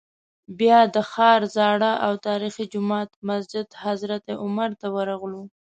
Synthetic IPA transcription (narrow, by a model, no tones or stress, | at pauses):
bjɑd̪əxɑɾzɑɽaʔawt̪ɑɾixid͡ʒʊmɑt̪masd͡ʒɪd̪hazɾat̪eʔʊmaɾt̪awəɾaɣlu